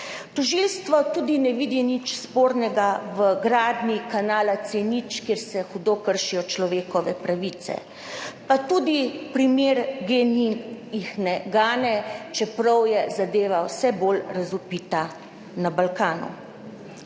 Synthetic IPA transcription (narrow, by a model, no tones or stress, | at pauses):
t̪ɔʒilst̪ʋɔt̪uːd̪inɛʋid̪init͡ʃspoːɾnɛɡaʋəɡɾaːd̪nikanaːlat̪senit͡ʃkjeɾsɛxud̪oːkəɾʃijɔt͡ʃlɔʋeːkɔʋɛpɾaʋiːt̪sɛ̰ | pat̪uːd̪ipɾimeːɾɡenijixnɛɡaːnɛt͡ʃɛpɾɔwjɛzad̪eːʋawsɛbolɾazupiːt̪a | nabalkaːnṵ